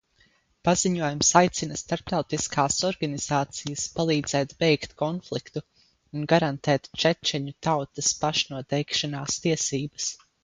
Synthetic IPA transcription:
paziɲuɔjumsajt̪sinɐst̪aɾp̚t̪awt̪iskaːsɔɾɡaniz̥aːt̪sijɐspalˠiːd̪z̥ɛːt̪bɛjkt̪kɔnflˠikt̪uː | nɡaɾant̪ɛːt̪t͡ʃɛt͡ʃɛɲut̪awt̪ɐspaʃnuɔt̪ɛjkʃanaːst̪iɛsiːbɐs

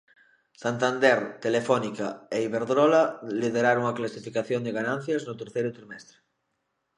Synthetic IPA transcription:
sant̪and̪eɾt̪elefɔnikaeiβeɾðɾolalið̞eɾaɾoŋaklasifikaθjond̪eɣanãn̟θjaznot̪eɾθejɾʊt̪ɾimɛst̪ɾe

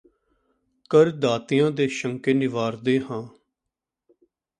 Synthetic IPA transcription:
kəɾd̪aːt̪ɪjãːd̪eːʃəŋkeːnɪʋaːɾd̪eːhãː

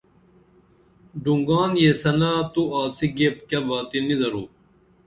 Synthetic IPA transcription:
ɖuŋɡaːnjesɐnaːt̪uaːsiɡep̚kɐbaːt̪inid̪ɐɾuː

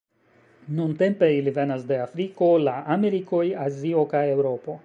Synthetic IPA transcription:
nunte̞mpe̞ilive̞nasde̞afɾiko̞laʔame̞ɾiko̞jazio̞kaje̞wɾo̞po̞

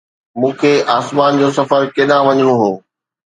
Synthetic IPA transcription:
mũːkʰeːaːsmaːnd͡ʑoːsɐfəɾkeɗãʋɐɲəɽ̃oɦoː

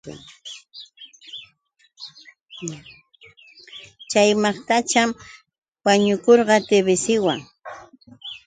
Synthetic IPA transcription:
t͡ʃajmɑχt̪at͡ʃam | waɲʊkoɾɢɑt̪eβɪsɪwaŋ

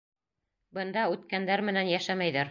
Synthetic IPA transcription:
bɤ̆nd̪ɑʉt̪kænd̪æɾmɘ̆nænjæʃæmæjðæɾ

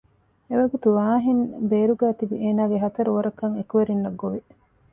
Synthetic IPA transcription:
eʋɐɡut̪uʋaːɦinbeːɾuɡæːt̪ibiʔeːnaːɡeɦɐt̪ɐɾuʋɐɾɐkːɐŋekuʋeɾinːɐɡːoʋi

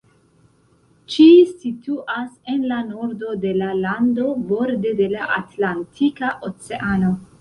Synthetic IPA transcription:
t͡ʃisituʔase̞nlano̞ɾdo̞de̞lalando̞bo̞ɾde̞de̞laʔatlantʰikaʔo̞t͡seʔano̞

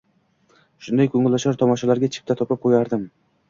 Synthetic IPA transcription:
ʃʊnd̪ajkʰɵŋɪlːaʃɒɾt̪ʰɒmɒʃalaɾɡʲat͡ʃʰɪ̥p̚t̪ʰat̪ʰɒpɪp̚qʰojaɾd̪ɪm

